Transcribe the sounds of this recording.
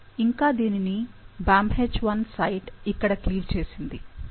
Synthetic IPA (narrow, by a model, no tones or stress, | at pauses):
iŋkaːd̪iːninibaːmɦet͡ʃːʋɐnsɐjʈikːɐɽɐkliːʋt͡ʃe̞ːsind̪i